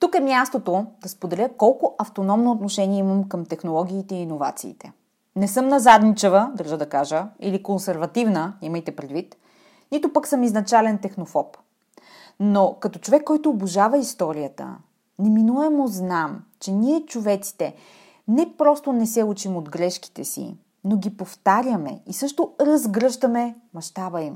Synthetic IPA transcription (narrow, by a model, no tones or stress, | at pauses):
t̪ukɛmjast̪ot̪od̪ɐspod̪ɛlʲəkɔlˠkoʔɐft̪onɔmnoːt̪noʃɛniɛiməmkəmt̪ɛxnolˠɔɡ̟iːt̪ɛiːnova̰t̪sḭːt̪ɛ | nɛsɤmnɐzad̪nit͡ʃɛvəd̪əɾʒəd̪ɐkaʒəḭlikonsɛɾvɐt̪ivnəiməjt̪ɛpɾɛd̪vit̪ | nit̪opəksɤmiznɐt͡ʃalɛnt̪ɛxnofɔp | nokɐt̪ɔt͡ʃovɛkːɔjt̪oːboʒavəist̪ɔɾiət̪ə̰ | nɛminuɛmoznamt͡ʃɛniɛt͡ʃovɛt̪si̥t̪ɛ | nɛpɾɔst̪onɛsɛut͡ʃimod̪ɡɾɛʃk̟i̥t̪ɛsḭ | noɡʲipoft̪aɾjəmɛ̰isɤʃt̪oɾɐzɡɾɤʃt̪əmɛmɐʃt̪abəim